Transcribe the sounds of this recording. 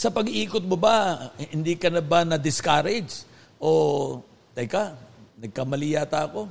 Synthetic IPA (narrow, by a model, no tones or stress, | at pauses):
sɐpɐɡiːkot̪̚mobɐhhɪnd̪ikɐnɐbanɐd̪ɪskaɾɛd͡ʒ | ʔo | t̪ɐjkanɐɡ̚kamɐliːjat̪ɐɐko̞